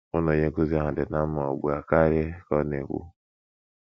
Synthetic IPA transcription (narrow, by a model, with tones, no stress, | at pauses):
ʊ˦no˨ɲe˦ku˦zi˦a˦ɦa˨dɪ˨na˦ma˨ɔ̰˨ɡ͡bu˨a˨ka˦ɾe˦kɔ˦ne˨kʷṵ˦